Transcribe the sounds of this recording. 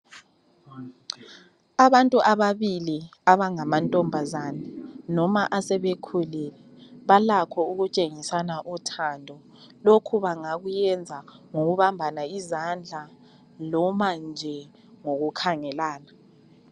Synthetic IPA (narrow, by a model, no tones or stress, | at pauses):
aβantʼuʔaβaβiliaβaŋamantʼɔmbʱazaːnɛnɔmaʔasɛβekʰulilɛ | βalakʰɔuɣut͡ʃʼeŋisanaʔutʰandʱɔ | lokʰuβaŋaɣujɛnd͡zʱaŋoɣuβambʱanaizand͡ɮʱa | lɔmand͡ʒʱɛ | ŋoɣukʰaŋɛlaːna